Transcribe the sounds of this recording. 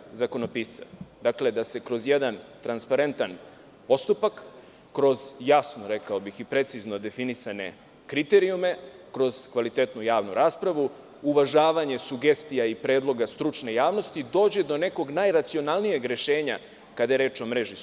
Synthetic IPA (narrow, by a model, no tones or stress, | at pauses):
zako̞no̞piːsa̰d̪akle̞d̪ase̞kɾo̞zjed̪ant̪ɾanspaɾe̞nt̪an | po̞st̪upakː | ɾo̞zjasnoɾekao̞bixipɾe̞t̪sizno̞d̪e̞finisane̞̰ | kɾit̪eɾijume̞kɾo̞z̥kʋalit̪et̪nujaːʋnuɾaːspɾaʋu | uʋaʒaːʋaɲe̞suɡe̞st̪ijaipɾe̞ːd̪lˠo̞ɡast̪ɾut͡ʃne̞jaːʋno̞st̪id̪o̞ːd͡ʑed̪o̞ne̞ko̞ɡnajɾat̪sio̞nalnijeɡɾe̞ʃe̞ːɲa̰ | kad̪ajeɾe̞ːt͡ʃo̞mɾeʒi